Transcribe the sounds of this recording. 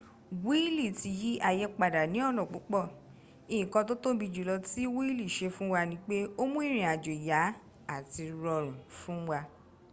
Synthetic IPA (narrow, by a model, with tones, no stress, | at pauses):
wi˦li˦˨ti˧ji˦ʔa˧jɛ˧k͡pa˨da˨nĩ˨˦ɔ˦˨nɔ̃˨k͡po˨˦k͡pɔ˦˨ | ĩ˨kɔ̃˧to˦to˦bi˧d͡ʒu˨lɔ˧ti˦wi˦li˦˨ʃe˧fũ˦wa˧nĩ˦k͡pe˦o˦mũ˦i˦˨ɾ̃ĩ˨a˨d͡ʒo˨ja˨˦ | a˦˨ti˧ɾɔ˧ɾ̃ũ˨fũ˦wa˧